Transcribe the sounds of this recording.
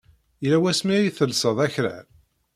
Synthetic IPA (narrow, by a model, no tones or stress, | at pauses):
læwæsmiɾiθəlsəðˤæçɾæ̰l